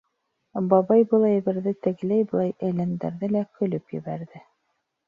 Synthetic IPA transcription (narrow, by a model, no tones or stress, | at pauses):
bɑβɑjbɤ̆lˠɑjbɘ̆ɾðɘt̪ɘ̆ɡlæjbɤ̆lˠɑjælɘ̆nd̪æ̰ɾðɘlækɵ̆lɵpjɘ̰̆βæɾðɘ